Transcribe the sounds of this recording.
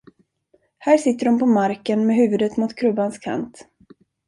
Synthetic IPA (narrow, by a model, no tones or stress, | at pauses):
hæːʂɪt̪ːəɖɔmpɔmaɾkənmɛɦʉ̟ːvɵd̪ət̪mʊt̪kʰɾɵbanskʰa̰nt̪